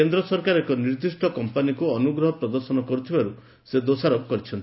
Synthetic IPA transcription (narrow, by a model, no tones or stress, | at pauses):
end̪ɾɔsɔɾkaɾekɔniɾd̪isʈʰɔkɔmpanikuɔnuɡɾɔɦɔpɾɔd̪ɔɾsɔnɔkɔɾut̪ʰibaɾu | sed̪osaɾɔkkɔɾit͡ʃʰɔnt̪i